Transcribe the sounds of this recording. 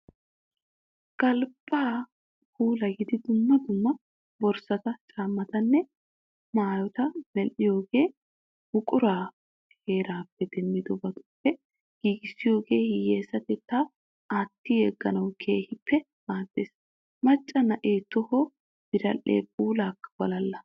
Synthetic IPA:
kɐlbʼaː | pʰuːlɐɡɪd̪ɪd̪ʊmːɐd̪ʊmːɐ | bɔɾsɐt̪ɐt͡ʃʼaːmːɐt̪ɐnːɛ | maːjɔt̪ɐmɛlːɪjo̞ːɡe̞ː | hʊkʼʊɾaː | he̞ːɾaːpːɛd̪ɛnːɪd̪ɔbɐt̪ʊ̥pːɛ | ɡ̥iːɡɪsːɪjo̞ːɡe̞ːhɪjːeːsɐt̪ɛt̪ːa | aːt̪ːɪjɛɡːɐnɐwkʰe̞ːhɪpːɛ | maːd̪̥ːe̞ːs | mɐt͡ʃʼːɐnɐʔeːt̪ːɔhɔ | b̥ɪɾɐlːḛːpʼuːlaːkːɐ̥b̥ɐlɐlːɐ

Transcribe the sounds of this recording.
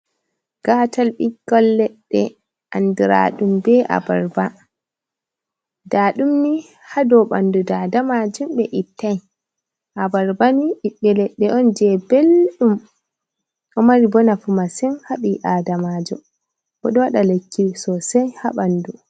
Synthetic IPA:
ɡ̥aːtʰalɓiɡɔlːɛɗːɛ̰ | ʔandiɾa̰ɗumbɛʔa̰baɾba | daːɗumni | hadɔɓa̰ndudadamad͡ʒumɓɛʔitːaj | ʔabaɾbaniiɗːɛlɛɗːɛʔɔnd͡ʒɛbelɗum | ʔɔmaɾibɔnafumasɛnhaɓiʔaːdamad͡ʒṵm | ɓɔɗɔwaɗalekːiɾsɔsajhaɓandu

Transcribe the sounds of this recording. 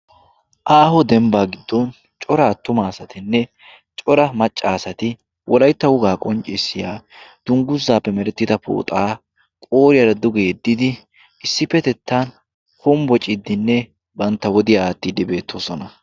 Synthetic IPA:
ʔaːhɔd̪ɛmbaːɡɪd̪ːɔn | t͡ʃʼɔɾaːt̪ːʊmaːsɐt̪ɪnːɛ | t͡ʃʼɔɾɐmɐt͡ʃʼːaːsɐt̪ɪ | wʔɔlɐjt̪ːɐwʊɡaːkʼɔnt͡ʃʼːɪsːɪjaːd̪̥ʊŋɡʊzːaːpːɛmɛɾɛt̪ːɪd̪ɐpo̰ːt̪ʼaː | kʼoːɾɪjɐɾɐd̪ʊɡejɛd̪ːɪd̪ɪ | ɪsːɪpːɛt̪ɛt̪ːaːn | hʊmbɔt͡ʃʼɪd̪ːɪnːɛ | bɐnt̪ːɐwɔd̪ɪjaaːt̪ːid̪ɪbe̞ːt̪ʰːoːsɔnɐ

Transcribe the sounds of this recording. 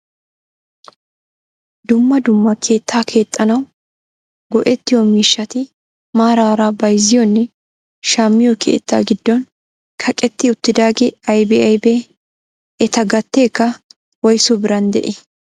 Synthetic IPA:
d̪ʊmːɐd̪ʊmːɐkʰe̞ːt̪ːaːkʰe̞ːt̪ʼːɐnɐw | ɡɔʔɛt̪ːɪjomiːʃːɐt̪ɪ | maːɾaːɾaːbɐjzɪjɔnːɛ | ʃaːmːɪjɔkʰḛːt̪ːa̰ːɡɪd̪ːɔn | kʰɐkʼɛt̪ːɪʊt̪ːɪd̪aːɡɛɐjbɛɐjbeː | ɛt̪ɐɡɐt̪ːeːkːɐ | wɐjsʊbɪɾɐnd̪ɛ̰ʔɛ

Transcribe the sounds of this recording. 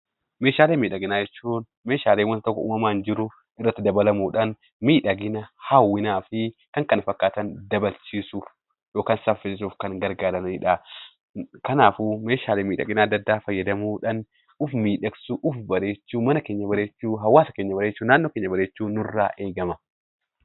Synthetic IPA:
meːʃaːleːnmiːᶑɐɡɪnaːd͡ʒɛt͡ʃːuːn | me̞ːʃaːleːnwɐnt̪ɔkːɐ̰ṵːmɐmaːnd͡ʒɪɾʊ | ɪrːɐt̪ːɪd̪ɐbɐlɐmuːᶑɐn | miːᶑɐɡɪnɐhɐwːɪnaːfɪkɐŋkɐnɐfɐkːaːt̪ɐnd̪ɐbɐlt͡ʃiːsuːf | jo̞ːkaːnsɐfɪsɪs̬uːfkɐŋɡɐɾɡaːɾɐnɪᶑaː | kɐnaːfume̞ːʃaːleːmiːᶑɐ̰ɡɪnaːɐd̪ːɐd̪ːaːfɐjːɐd̪ɐmuːᶑɐn | ʊfmiːᶑɐksuʔʊfbɐɾe̞ːt͡ʃːuːmɐnɐke̞ːɲːɐbɐɾe̞ːt͡ʃːuːɦɐwːaːsɐkeːɲːɐbɐɾeːt͡ʃːuːnaːnːoːkeːɲːɐbɐɾe̞ːt͡ʃːuːnːʊɪrːaːʔe̞ːɡɐmɐ

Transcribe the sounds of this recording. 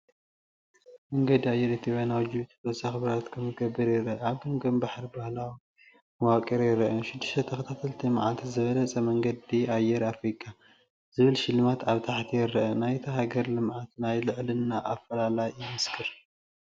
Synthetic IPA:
mɐŋɡɐd̪iajːɛɾɨt̪ʰiʕonawd͡ʒɨβut̪ʰt̪osaxɨβɾat̪kʰɐmɨɡɐbːɨɾjɪrɐʔɐaβɡɐmɡɐmbaħɾibahlawi | wakʼɐɾjɪɾɐʔɐʃɪd̪ːɨʃt̪ɐt̪ʰɐxɐt̪ʰat̪ʰɐlt̪ʰimʕalt̪ʰzɨβɐlɐt͡sʼɐmɐŋɡɐd̪iajɛɾafɾikʼa | z̥ɨβɨlʃɪlɨmat̪aβt̪ʰaħt̪ʰijɪɾːɐʔɐnajt̪ʰɐɦaɡɐɾlɨmʕat̪najlɨʕlɨnːaʔafːɐlalajɪmɨskʰɨɾ

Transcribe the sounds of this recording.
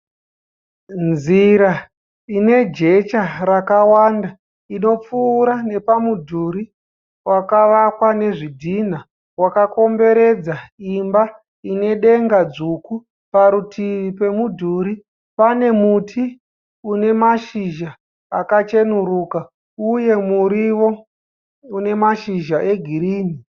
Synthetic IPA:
nd͡zziɾa | ine̞d͡ʒe̞t͡ʃarakawanda | ino̞p͡fuːɾane̞pamudʱuɾi | wakaʋakwane̞ʐidʱin̤a | wakako̞mbe̞ɾe̞d͡zaimba | ine̞ɗe̞ŋɡad͡zuku | paɾutʰiʋipe̞mudʱuɾi | pane̞mutʰi | une̞maʃiʒaː | kat͡ʃe̞nuɾuka | uje̞muɾiwo̞ | une̞maʃiʒaʔe̞ɡʱiɾiːni

